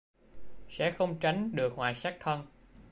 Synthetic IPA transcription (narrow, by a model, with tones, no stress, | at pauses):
sɛ̰˧˥xə˧wŋ͡mt͡ɕa˨˦jŋ̟ɗɨ˨˩ək̚hwaː˨˩saː˦˥k̚t̪ʰə˧n